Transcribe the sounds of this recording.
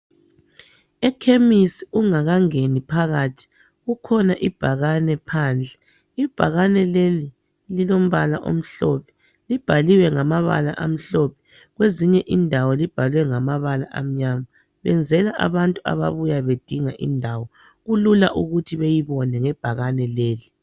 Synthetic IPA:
ɛkʰemisiuŋaɣaŋenipʰaɣatʰi̥ | ɣukʰɔnaʔib̥ʱaɣanɛpʰaːnd͡ɮʱɛ̥ | ib̥ʱaɣanɛleli | lilom̩βalaʔo̰m̩ɬɔpʰɛ̥ | lib̥ʱaliwɛŋamaβa̰la̰ʔam̩ɬɔpʰɛ̥ | ɣweziɲɛʔindʱawɔlib̥ʱalwɛŋamaβalaʔa̰m̩ɲama | βɛ̰nd͡zʱɛlaʔa̰βantʼua̰βa̰βujaβed̥ʱiŋaʔḭndʱawɔ | ɣululaʔuɣutʰiβejiβɔnɛŋɛb̥ʱaɣanɛleːli

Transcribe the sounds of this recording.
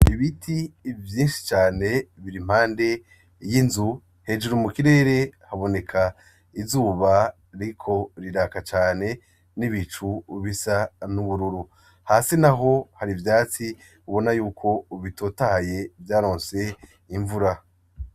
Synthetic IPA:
iβitʰivjiːnʃi̥t͡ʃaːne̞βiɾim̥haːnde̞ | jinzu | he̞d͡ʒuɾumukiɾe̞ːɾe̞haβo̞ne̞kʰa | izuːβa | ɾikʰo̞ɾiɾakat͡ʃaːne̞ | niβit͡ʃuβisanuβuɾuɾu | haːsinaɦo̞haɾivjaːt͡si | uβo̞najuːkʰo̞uβitoːtaje̞vjaːɾo̞ːnse̞ | iɱvuɾa

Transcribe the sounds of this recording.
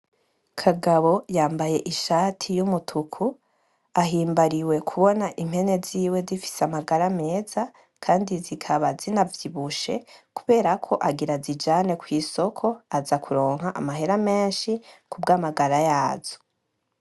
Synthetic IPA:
kʰaɡaβo̞jaːmbaje̞ʔiʃaːtʰijumutʰukʰu | aɦiːmbaɾiwe̞kʰuβo̞naʔim̥he̞ne̞ziːwe̞zifi̥seamaɡaɾame̞ːza | kʰaːndizikʰaβazinavjiβuʃe̞kuβe̞ːɾakʰo̞ʔaɡiɾazid͡ʒaːne̞kwiːso̞kʰo̞azakʰuɾo̞ːŋɦaʔa̰maɦe̞ɾame̞ːnʃikubɡaːmaɡaɾajaːz̥o̥

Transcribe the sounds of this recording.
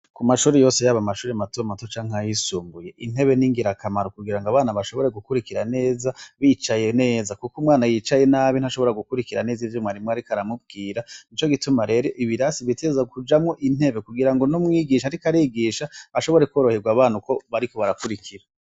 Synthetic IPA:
kumaʃuːɾejo̞ːse̞jaβamaʃuːɾematomatot͡ʃaːŋhajisuːmbuje̞ʔin̥he̞βe̞niŋɡiɾakʰamaɾokuɡiɾaŋɡaβaːnaβaʃo̞βo̞ɾe̞ɡukuɾikiɾane̞ːzaβit͡ʃaje̞ne̞ːzakukumŋaːnajit͡ʃaje̞naβin̥haʃoβo̞ɾaɡukuɾikiɾanezivjomŋaɾimŋoaɾikaɾamub̚ɡiːɾanit͡ʃo̞ɡitumaɾe̞ɾoʔiβiɾasiβitʰezakud͡ʒamŋo̞ʔin̥he̞βe̞kuɡiɾaŋɡo̞nomŋiːɡiʃaɾikaɾiɡiʃaaʃo̞βo̞ɾe̞koːɾo̞heɡwaβaːnuko̞βaɾiko̞βaɾakuɾikʰiɾa

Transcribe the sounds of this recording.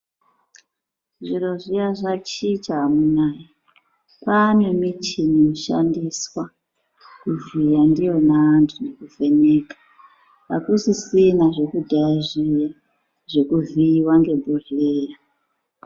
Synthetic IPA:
ʐiɾo̞ʐijaʐat͡ʃit͡ʃaːmunaːji | panemit͡ʃinoʃa̰ndiswa | kuvijandijo̞naːntʰune̞kuve̞ne̞ːkḁ | akusisinaʐe̞kudʱaaʐija | ʐe̞kuviwaŋɡe̞bʱoreːja

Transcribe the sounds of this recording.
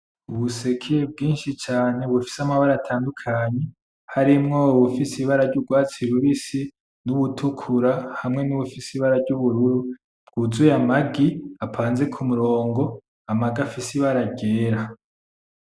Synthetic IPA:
uβuse̞kʰeb̚ɡiːnʃit͡ʃaːne̞βufi̥samaβaɾaːtʰaːndukʰaɲe̞ | haɾimŋoβufisiβaɾaɾɟuɡwaːt͡siɾuβisi | nuβutʰukʰuɾahamŋe̞nuβufisiβaɾaɾɟuβuɾuɾu | b̥̚ɡ̥uzujamaɡiapʰaːnze̞kʰumuɾo̞ːŋɡo̞ | amaɡafisiβaɾaɡɟeːɾa

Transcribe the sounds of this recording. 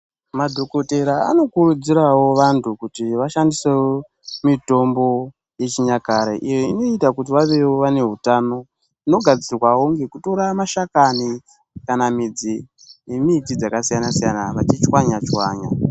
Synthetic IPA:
madʱo̞ko̞te̞ɾaa̰no̞kurud͡ziɾawo̞ʋantʰukutiʋaʃandisewo | mito̞mbo̞ | je̞t͡ʃiɲakaɾḛʔijeino̞itakut̬iʋaʋewoʋane̞ɦutano̞ | ino̞ɡʱad͡zirwawoŋɡekuto̞ɾamaʃakani | kanamid͡zi | jemitid͡zakasijanasijanaʋat͡ʃit͡ʃwaɲat͡ʃwaːɲa̰

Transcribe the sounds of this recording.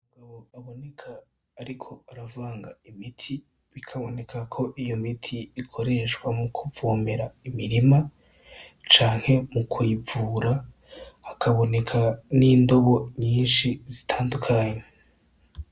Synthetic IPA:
umuɡaβo̞aβo̞ne̞kʰaː | ɾikʰo̞aɾavaːŋɡaimitʰi | βikʰaβo̞ne̞kʰakʰo̞ʔijo̞mitʰiːkʰo̞ɾe̞ʃkwamukʰuvoːme̞ɾaimiɾima | t͡ʃaːŋ̥he̞mukwivuːɾaː | kʰaβo̞ne̞kʰaniːndo̞βo̞ɲiːnʃizitʰaːndukʰaɲe

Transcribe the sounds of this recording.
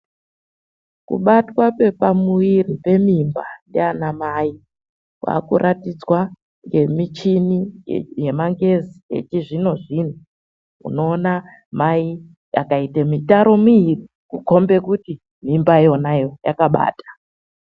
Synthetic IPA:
kṵɓatwape̞pamuiripe̞mimbandḛanamai | kwa̰kṵɾʔatid͡zwa | ŋɡe̞mit͡ʃinije̞maŋɡeziḛt͡ʃiʐino̞ʐin̤u | ṵno̞ːna | mai | ja̰kaitemitaɾo̞muiri | kuko̞mbe̞kuti | mimbao̞najo̞ja̰kaɓa̰ːtḁ

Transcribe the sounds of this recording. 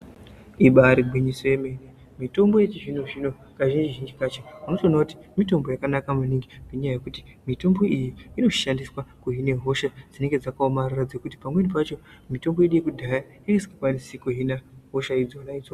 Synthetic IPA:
iɓaːɾiɡwiɲiso̞je̞me̞ne | mito̞mbo̞jet͡ʃiʐinoʐino | kaʒind͡ʒiʒind͡ʒikat͡ʃemunotonakuti̥mito̞mbo̞jakanakamuniŋɡipeɲajaje̞kutimito̞mbo̞ijiːno̞ʃandiswakuɦine̞ɦo̞ʃad͡zine̞ŋɡe̞d͡zakaomarurad͡ze̞kuti̥pamwenipat͡ʃo̞ | mito̞mbo̞jeɗijekudʱaja | inesi̥kikwanisikuɦinaɦo̞ʃaid͡zonait͡so

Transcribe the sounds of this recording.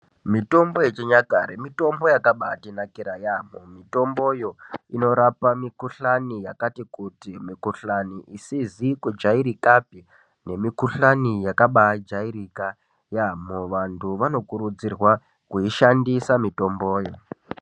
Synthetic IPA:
mito̞mbo̞et͡ʃeɲakaɾemito̞mbo̞jakaɓatinakiɾajamomito̞mbo̞jo̞ino̞ɾapamikuɬanijakatikutimikuɬaniʔisizikud͡ʒaiɾikapi | ne̞mikuɬanijakaɓad͡ʒaiɾika | jamoʋantʰuʋano̞kuɾud͡zirwa | kuiʃandisamito̞mbo̞ːjo

